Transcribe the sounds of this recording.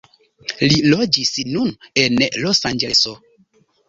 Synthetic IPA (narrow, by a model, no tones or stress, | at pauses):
lilod͡ʒisnunenlosand͡ʒeso